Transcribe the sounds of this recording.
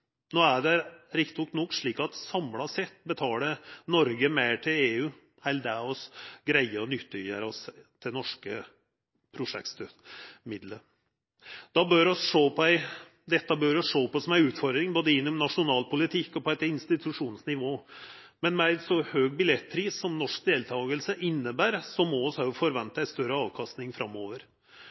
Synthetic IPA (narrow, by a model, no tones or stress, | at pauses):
noːæɖɛɾɪkt̪ɪɔknɔkːʂɭiːkɑt̪sɑmlɑsɛt̪ːbət̪ʰɑːɽənɔɾɡəmeɪʈʰɪleːʉː | hæɪld̪æɔsɡɾæɪəɾɔnʏt̪ːəʏə̰ɾɔst̪ʰːɪnɔʂkə | pʰɾʊʂɛ̰ktt̪mɪd̪lə | d̪̥ɑbøːɾɔsʂoːpʰɔæɪ | d̪ɛt̪ːəbøːɾɔsʂoːpɔsɔmæɪʉːt̪fɔɾd̪ɾɪŋboːd̪əɪnːʊmnɑʂʊnɑːlpʊlɪt̪ʰɪkːɔpɔɛt̪ɪnst̪ɪt̪ʰʉʂuːnsnɪʋoː | mɛnmɛæɪsɔhøːɡ̚bɪlɛt̪ːpʰɾiːssɔmnɔʂk̚d̪eːlt̪ʰɑːɡəlsəʔɪnːəbæːɾsɔmɔɔshɑfɔɾʋɛnt̪ːæɪst̪œɾəɑːʋkʰɑst̪nɪŋfɾɑmːoːʋəɾ